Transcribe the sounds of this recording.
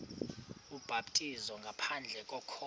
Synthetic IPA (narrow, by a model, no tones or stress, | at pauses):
ub̥ʱabtʼizɔŋɡʱapʰand͡ɮʱɛkʼɔkʰɔ